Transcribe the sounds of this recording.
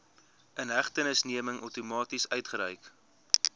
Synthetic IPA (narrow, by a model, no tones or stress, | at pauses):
ʔənɦæχtənəsniəməŋʔœwtumɑːtisœɥtχəɾɛjk